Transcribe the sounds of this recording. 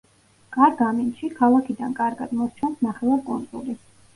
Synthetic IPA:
kʼaɾɡamint̪ʃikʰalˠakʰid̪ankʼaɾɡad̪mɔɾt͡ʃʰɛnsnaχɛlakʼunt̪sʼṵli

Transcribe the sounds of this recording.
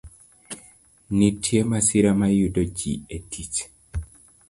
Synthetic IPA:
nitʰjemasiɾamajudod͡ʒḭetʰit͡ʃ

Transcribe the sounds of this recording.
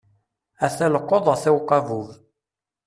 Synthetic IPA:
æθæləqːoðˤəθæwqːɑvuv

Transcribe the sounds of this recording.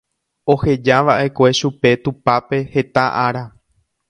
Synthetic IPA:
o̞he̞d͡ʒaʋaʔe̞kʷe̞ʃupe̞t̪upape̞he̞t̪aʔaɾa

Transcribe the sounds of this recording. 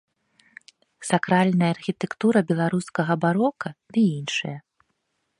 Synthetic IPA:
sakɾalʲnɐjɐːrxʲit̪ɛkt̪uɾɐbʲɛlˠaɾuskɐɣɐbaɾɔkɐd̪̥ɨinʂɐ̰jɐ

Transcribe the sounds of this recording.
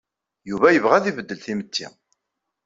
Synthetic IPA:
juvæjəvʁæðivəd̪ːəlθimət̪ːḭ

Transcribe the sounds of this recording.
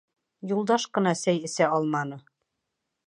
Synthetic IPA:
julˠd̪ɑʃqɤ̆nɑsæjɘ̆sæɒlˠmɑnɤ

